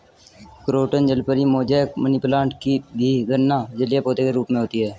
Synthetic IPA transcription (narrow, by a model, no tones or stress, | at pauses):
kɾoːʈənd͡ʒəlpəɾimoːd͡ʒɛːkməniplãːɳʈkibʱiɡəɾnːad͡ʒəlijapoːt̪ekeɾuːpmẽɦoːt̪iɦɛː